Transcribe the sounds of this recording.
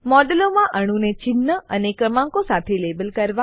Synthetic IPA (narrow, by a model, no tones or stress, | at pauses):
mɔɖəlomãʔəɽ̃ũnet͡ʃɪnːəənekɾəmãŋkosat̪ʰelebəlkəɾʋa